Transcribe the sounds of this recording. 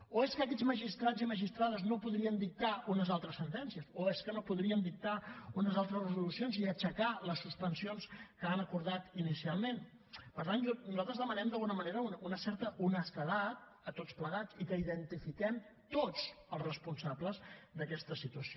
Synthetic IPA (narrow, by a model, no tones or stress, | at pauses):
oeskəkɛd͡zməʒist̪ɾad͡ziməʒist̪ɾaðəznopuðɾiənd̪ik̚t̪aunəzalˠt̪ɾəsːənt̪ɛnsiəsoeskənopuðɾiənd̪ik̚t̪aunəzalˠt̪ɾəzrəzulusionziət͡ʃəkaləsːuspənsionskəanəkuɾðat̪inisialˠmen | pəɾt̪anʒnuzalˠt̪ɾəzðəmənɛmd̪əlˠɣunəməneɾəununəsɛɾt̪əʔunəst̪əðat̪̚ | ət̪ot͡spləɣat͡sikəiðənt̪ifikɛm | t̪ot͡səlˠzrəspunsabləzd̪əkɛst̪əsit̪uəsio